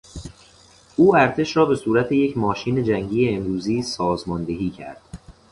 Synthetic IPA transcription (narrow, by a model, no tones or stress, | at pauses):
ʔuːæɾt̪ʰe̞ʃɾɒːbe̞suːɾæt̪ʰejecʰmɒːʃiːne̞d͡ʒæŋɟiːjeːnɾuːziːsɒːzmɒːnd̪e̞ɦiːcʰæ̰ɾd̪̥